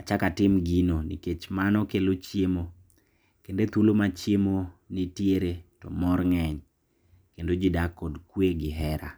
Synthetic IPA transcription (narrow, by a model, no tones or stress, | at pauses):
at͡ʃakatɪmɡinonḭket͡ʃmanɔkelot͡ʃjemo | kendet̪ulomat͡ʃjemonetjeɾetɔ̰mɔrŋɛɲ | kendod͡ʒidakɔdkweɡɪɦɛɾa̰